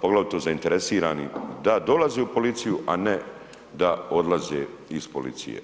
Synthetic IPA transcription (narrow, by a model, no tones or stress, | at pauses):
poɡlaʋit̪ozaint̪eɾesiːɾaːnḭd̪ad̪olazeupo̞lit̪sijuʔane | d̪ao̞d̪lˠazeːispo̞̰lḭt̪sḭjḛ